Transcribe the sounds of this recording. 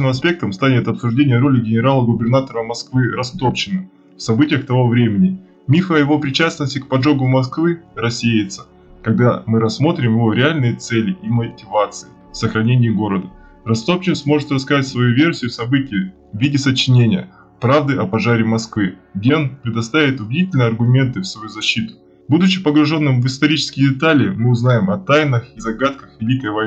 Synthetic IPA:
nɨmɐs̬pʲe̞k̚t̪əmst̪anʲɪt̪ɐpsʊʐdʲenʲɪjəɾo̞lʲɪɡʲɪnʲɪɾalˠəɡʊbʲɪrnat̪əɾəmɐskvɨɾɐst̪o̞pɕɪnɨ | fsɐbɨtʲɪjəxt̪ɐvo̞vɾʲemʲɪnʲɪ | mʲifəɐjɪvo̞pɾʲɪt͡ɕasnəsʲtʲɪk̚pɐʐo̞ɡʊmɐskvɨɾɐsʲejɪt̪sə̥ | kɐɡ̚d̪amɨɾɐsːmo̞t̪ɾʲɪmjɪvo̞ɾʲɪalʲnɨjət̪sɛlʲɪʔimətʲɪvat̪sɨɪ | fsəxɾɐnʲenʲɪːɡo̞ɾəd̪ə | rɐst̪opt͡ɕɪsmo̞ʐɨt̪rɐskɐatʲsvɐjuvʲe̞rsʲɪjʊfsɐbɨtʲɪjɪ | vʲidʲɪsət͡ɕːɪnʲenʲɪjə̰ | pɾavd̪ɨʔɐpɐʐaɾʲɪmɐskvɨɡdʲeonpɾʲɪd̪ɐst̪avʲɪt̪ʊbʲɪdʲitʲɪlʲnɨjəɐrɡʊmʲe̞nt̪ɨfsvɐjuzɐɕːit̪ʊ̥ | bud̪ʊt͡ɕɪpəɡɾʊʐo̞nːɨmvɨst̪ɐɾʲit͡ɕɪ̥skʲɪjdʲɪt̪alʲɪːmɨʊznajɪmɐt̪ajnəxizɐɡat̪kəxvʲɪlʲikəjvɐj

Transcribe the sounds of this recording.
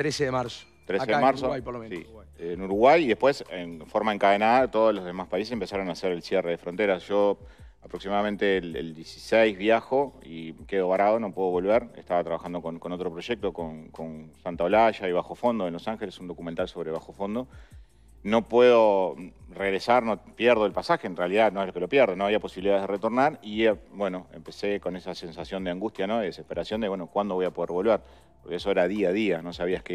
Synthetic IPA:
t̪ɾeseðeaɾso̥ | t̪ɾeeðemaɾsosi | enuɾuɣwajiðe̞hpwe̞senfo̞ɾmaeŋkaðenaðat̪o̞ð̞ozlo̞zðe̞maspais̬esempe̞saɾo̞naseɾelsjere̞ðefɾo̞nt̪e̞ɾasʒ̥o̞apɾo̞ksimaðament̪elḛld̪jesi̥sejzβjaxo̞ike̞ðo̞βaɾaðo̞no̞pwe̞ðoβo̞lβeɾḛst̪aβat̪ɾaβaxand̪o̞konko̞no̞t̪ɾo̞pɾo̞ʒek̚t̪okonkonsant̪aolaʃaiβaxo̞fo̞nd̪oenlo̞saŋxelesund̪o̞kument̪also̞βɾe̞β̞axo̞fo̞nd̪o̞ | no̞pweðo̞reɣɾesaɾnopjeɾðoelpasaxeːnrealiðano̞elo̞kelo̞pjeɾð̞onoaβiapo̞siβiliðaðeðeret̪oɾnaɾiabwe̞no̞ḛmpe̞seko̞nesase̞nsasjo̞nd̪eaŋɡust̪janoðeðesehpe̞ɾasjo̞nd̪eβwenokwand̪oojapo̞ð̞eɾβo̞lβeɾ | poɾkeesoeɾaðiað̞iano̞saβiaske

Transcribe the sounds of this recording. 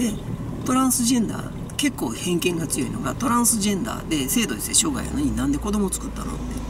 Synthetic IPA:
d̪e̞ | t̪o̞ɾãɰ̃sɨʑẽ̞nd̪a̰ː | ke̞kːoːhẽ̞ŋkẽ̞ŋɡat͡sɨjo̞̰ino̞̰ɡat̪o̞ɾãɰ̃sɨʑẽ̞nd̪a̰ːd̪e̞se̞ːd̪o̞i̥seɕoːɡa̰ḭa̰no̞ɲ̟inãnd̪e̞ko̞d̪o̞mo̞t͡sɨ̥kɯ̟t̪ːa̰no̰t̪ːe

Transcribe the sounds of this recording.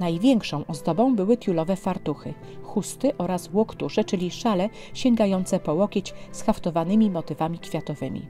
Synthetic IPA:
najvʲjɛŋkʂɔ̃w̃ʔɔzd̪ɔbɔ̃w̃bɘwɘt̪ʲjulɔvɛfaɾt̪uxɘ | xust̪ɘʔɔɾaswɔkt̪uʂɛt͡ʂɘlʲiʂalɛ | ɕɛŋɡajɔnt̪sɛpɔwɔkʲet͡ɕsxaft̪ɔvanɘmʲimɔt̪ɘvamʲikfʲjat̪ɔvɘmʲḭ

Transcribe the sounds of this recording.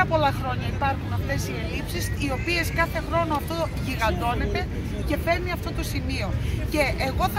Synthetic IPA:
ɐpo̞lɐxɾo̞ɲɐipɐɾxunɐft̪e̞sie̞lipsisio̞pie̞skɐθe̞xɾo̞noɐft̪o̞ʝiɣɐnd̪o̞ne̞t̪e̞ | ce̞fe̞ɾniɐft̪o̞t̪o̞simio̞ce̞ːɣo̞θ

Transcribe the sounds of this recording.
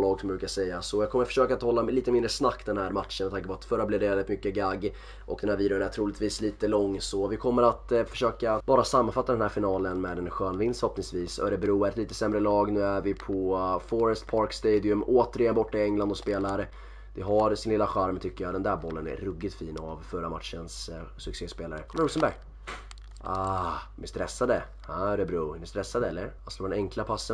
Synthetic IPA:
lɑːɡsɔmbɾʉːkasɛjːasɔjɑɡkʰɔməɾfœ̥ʂøːkat̪hɔlːaliːt̪əmɪnd̪ɾəsnakːd̪ɛnhæːɾmat̪ʂənmɛt̪aŋkəpʰɔvat̪fœɾːablɪvɖɛvɛlːɪt̪mʏkːəɡaɡː | ʔɔkd̪ɛnhæːɾviːd̪ɪənæʈʰɾuːlɪt̪viːsliːt̪əlɔŋːsɔvɪkʰɔmːəɾat̪fœ̥ʂøːkab̥ɑːɾasamːanfat̪ːad̪ɛnhæːɾfɪnɑːlənmɛd̪ɛnɧøːnvɪnst̪ɾhɔp̪̚nɪŋsviːsɔ̰æɖɛbɛɾuːɾɛt̪liːt̪əsɛmːɾəlɑːɡnʉ̟ːæɾvɪpʰɔfɔɾɛst̪pʰɑɾkst̪eːd̪ɪɵmʔoːt̪əɾɪjɛnbɔʈːaɛŋland̪ɔspeːlaɾ | d̪̥ɛɦaɾsɪnlɪlːaɧaɾmt̪ʰʏkːəjad̪ɛnd̪æɾbɔlːənæ̰ɾɵɡːɪt̪fiːna̰vfœɾamat̪ʂənssɵkseːspeːlaɾəkʰɔmɾuːsənbæɾɡ | ad̪mɛst̪ɾɛsːad̪ə | haɖɛbɾuːɛnɪst̪ɾɛsːad̪əɛlːəɾast̪oːɖɛnɛŋkʰlapʰasːə

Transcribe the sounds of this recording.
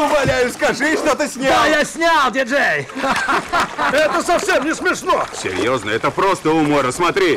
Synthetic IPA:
ʊmɐlʲæjʊskɐʐɨʂt̪ot̪ɨsʲnʲajasʲnʲalˠdʲɪʐej | ɛt̪əsɐfsʲemnʲɪsmʲɪʂnosʲɪ̰ɾʲjoznəɛt̪əpɾost̪əʊmoɾəsmɐt̪ɾʲi

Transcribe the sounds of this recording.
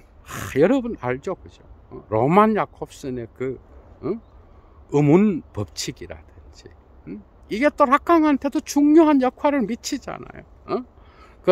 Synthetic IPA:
ajʌɾʌbunaɭd͡ʑokɯd͡ʑoɾomanjakʰop̚s͈ɯnekɯ | ɯmunpʌp̚t͡ɕʰiɡiɾa̰dɯnd͡ʑi | iɡe̞t͈oɾak̚k͈aŋɦantʰe̞dot͡ɕuŋɲoɦanjʌkʰwaɾɯɭmit͡ɕʰid͡ʑa̰na̰jo̰ | ʌ | kɯ

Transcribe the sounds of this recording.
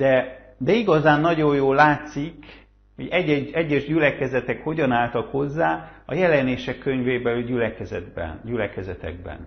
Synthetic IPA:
d̪̥ɛ | d̪ɛiɡɒzaːnːɒɟo̞joːlːaːt̪sik | ho̞̰ɟɛɟːɛɛɟːɛʒɟylɛkɛzɛt̪ɛkho̞ɟɒnaːlt̪ɒkho̞zːaːɒjɛlɛneːʃɛkːø̞ɲveːbɛlyɟylɛkɛzɛd̪bɛ̰nɟylɛkɛzɛt̪ɛ̰ɡ̚bɛ̰n

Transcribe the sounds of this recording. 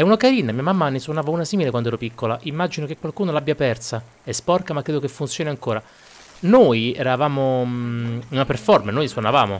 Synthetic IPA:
ɛunakaɾiːnamiːamamːaneswonaːvauːnasiːmilekwand̪oɛːɾopikːolaʔimːad͡ʒinok̟ekːwalkuːnolabjapɛrt̪sa | ɛspɔrkamakːɾeːd̪okefːunt̪sjoːniaŋkoːɾa | nojɛ̰ɾavaːmo | unaperfɔrmanojswonava̰ːmo̰

